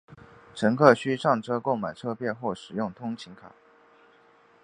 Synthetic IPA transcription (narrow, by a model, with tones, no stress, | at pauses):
ʈ͡ʂʰə˧˥ŋkʰɤ˥˩ɕy˥ʂɑ˥˩ŋʈ͡ʂɤ˥ko˥˩ʊma˨˩ɪʈ͡ʂʰɤ˥˧pjɛ˥˧nxwɔ˥˩ʂɻ̩˨˩jʊ˥˩ŋt̪ʰʊ˥ŋt͡ɕʰi˧˥ŋkʰa̰˨˩˦